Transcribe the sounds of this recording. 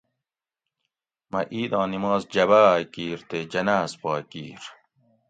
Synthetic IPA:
mɐ̰ʔiːd̪ɑ̃ːnimɑːzd͡ʑɐβaːkiːɾt̪eːd͡ʑɐnaːspɑːkiːɾ

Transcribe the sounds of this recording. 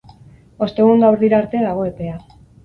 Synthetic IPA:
o̞st̪e̞ɣuŋɡawɾðiɾaɾt̪e̞ðaɣ̞o̞e̞pe̞a

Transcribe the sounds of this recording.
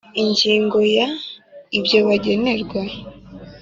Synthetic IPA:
iɲɟiːŋɡo̞jaibjo̞βaɟe̞ne̞ɾɡwa

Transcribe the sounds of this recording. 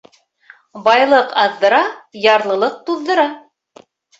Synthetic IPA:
bɑjlˠɤqɑðːɤ̆ɾɑjɑɾlˠɤ̆lˠɤq̚t̪uðːɤ̆ɾɑ

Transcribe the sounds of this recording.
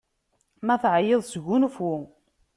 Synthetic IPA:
mæθʕajeðˤsɣunufu

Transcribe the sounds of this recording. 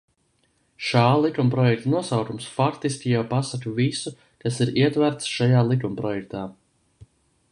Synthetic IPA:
ʃaːlˠikumpɾɔjɛkt̪anuɔsawkumsfakt̪iskʲijawpasakvisu | kasiɾiɛt̪væɾt̪sʃajaːlˠikumpɾɔjɛk̚t̪aː

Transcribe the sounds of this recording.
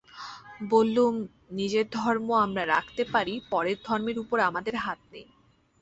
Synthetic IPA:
bolːum | nid͡ʑeɾd̪ʱɔɾmoamɾaɾakʰt̪epaɾipɔɾeɾd̪ʱɔɾmiɾupoɾamad̪eɾɦat̪̚nej

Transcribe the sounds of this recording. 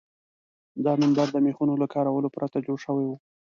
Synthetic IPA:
d̪ɑmɪmbaɾd̪əmexunolakɑɾawəlopɾʔat̪ad͡ʒoɽʃəwajwu

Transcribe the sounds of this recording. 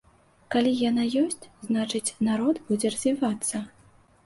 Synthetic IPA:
kalʲijanajɔsʲt͡sʲznat͡ʂɨt͡sʲnaɾɔd̪bud͡zʲɛrɐzʲvʲivat̪sːɐ

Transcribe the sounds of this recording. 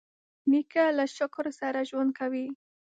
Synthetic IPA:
nikalaʃʊkɾsaɾaʒwand̪̚kawi

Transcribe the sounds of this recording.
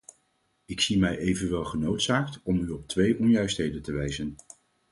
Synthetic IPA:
ɪksimɛjʔejvənʋɛlˠχənowtsaːktɔmyɔp̚tʋejʔɔnjœɥstɦejdəntəʋɛjzən

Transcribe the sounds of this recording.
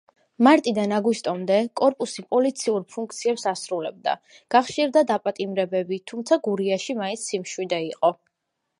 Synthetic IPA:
maɾt̪ʼid̪anaɡwist̪ʼɔmd̪ɛkʼɔɾpʼusipʼɔlit̪sʰiuɾpʰuŋkʰt̪sʰiɛpsasɾulɛb̚d̪a̰ | ɡ̥aχʃiɾd̪ad̪apʼat̪ʼimɾɛbɛbit̪ʰumt̪sʰaɡuɾiaʃimaint̪simʃwid̪ɛiqʼɔ

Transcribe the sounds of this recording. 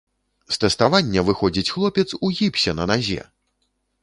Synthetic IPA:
st̪ɛst̪avanʲːɐvɨxɔd͡zʲit͡sʲxlˠɔpʲɛt̪suɣʲipsʲɐnɐnazʲɛ̰

